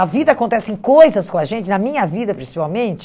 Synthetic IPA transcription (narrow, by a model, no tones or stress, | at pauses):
ɐvid̪ɐakõnt̪ɛsɪẽj̃kojzɐskõɐʒẽnt͡ʃɪnɐmĩɲɐvid̪ɐpɾĩsi̥pawmẽnt͡ʃɪ̥